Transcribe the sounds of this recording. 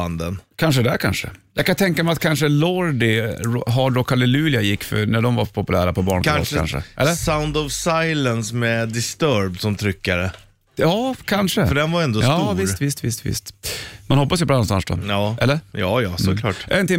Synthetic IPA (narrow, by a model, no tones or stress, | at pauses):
and̪ənkʰanʂ̬əd̪ɛækʰa̰nʂə̰jɑːɡkʰːant̪ʰɛŋkamɛat̪̚kʰanʂəlɔɖɪɦɑɖɾɔkːalɪlʉːlɪajɪkːfœ̰næɖɔmvapʰɔpɵlæ̰ːɾapʰɔbɑ̰ːɳkantka̰nʂə̰ʔɛ̰lːəsaʊnd̪ɔvsajlənsmɛd̪ɪst̪œɾb̪̚sɔmt̪ʰɾʏkːaɾə | jɑːkʰanʂəəɖɛnvaɾɛnd̪ɔjsɑuvɪst̪vɪst̪vɪ̰st̪vɪ̰st̪manhɔpːasjʏpʰɔɾanɔmst̪a̰nsd̪ɔ̰jɑːɛ̰lːəɾjɑːjɑːmsɔkʰlɑ̰ːʈʔæ̰ɾənt̪ɪ